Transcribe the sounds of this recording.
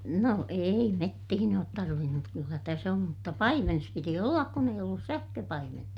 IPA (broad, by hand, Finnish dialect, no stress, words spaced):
no ei metːihin oːt tɑrʋin mut kylːæ tæs om mutːɑ pɑimenes piti olːɑk kun eij olːus sæhkøpɑimentɑ